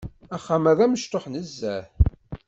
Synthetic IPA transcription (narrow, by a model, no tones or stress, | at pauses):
æχːamæðæməʃt̪oħnəzːæθ